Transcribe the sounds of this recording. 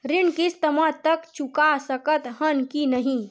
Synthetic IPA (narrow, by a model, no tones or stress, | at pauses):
ɾɪnkist̪əmat̪əkt͡ʃukasəkət̪ɦənkinəɦĩ